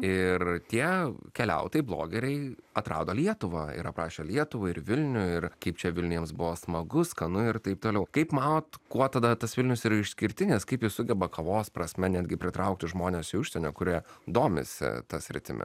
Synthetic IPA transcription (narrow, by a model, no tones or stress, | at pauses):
ɪrt̪ʲiɛkʲɛlʲɛ̰ʊt̪ɐɪblˠo̰ːɡʲɛɾʲɛɪɐt̪ɾɑ̰ːd̪oːlʲiɛt̪ʊʋɑːɪ̰ɾɐpɾɑːʃʲeːlʲiɛt̪ʊʋɐɪɾʋʲɪlʲnʲʊɪrkɐɪpt͡ʃʲɛʋʲɪlʲnʲjɛmsbʊʋoːsmɐɡʊskɐnʊɪrt̪ɐɪp̚t̪oːlʲɛʊkɐɪpmɑːnoːt̪kuɔt̪ɐd̪ɐt̪ɐsʋʲɪlʲnʲʊsiɾɐɪʃʲsʲkʲɪɾʲt̪ʲɪnʲɪskɐɪpjɪssʊɡʲɛbɐkɐʋoːspɾɐsʲmʲɛnʲæːd̪ʲɡʲɪpʲɾʲɪt̪ɾɐʊk̚t̪ʲɪʒmoːnʲesɪʊʃʲsʲɛnʲoːkʊɾʲiɛd̪oːmʲɪ̰sʲɪ̰t̪ɐsʲɾʲɪ̰t̪ʲɪ̰mʲɪ̰